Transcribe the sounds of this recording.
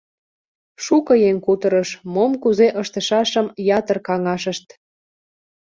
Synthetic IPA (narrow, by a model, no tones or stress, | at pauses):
ʃukɤjeŋkut̪əɾəʃmomkuzeʔəʃt̪əʃɑʃəmjɑt̪ərkɑŋɑʃəʃt̪